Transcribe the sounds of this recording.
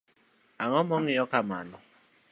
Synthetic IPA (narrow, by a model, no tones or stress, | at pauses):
aŋɔmɔŋɪjɔkama̰nʊ